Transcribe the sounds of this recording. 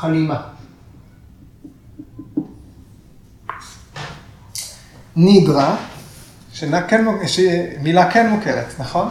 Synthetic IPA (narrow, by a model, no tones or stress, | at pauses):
alima | nidʁa | ʃenakenʃemilakenmukeʁḛtnaχo̞n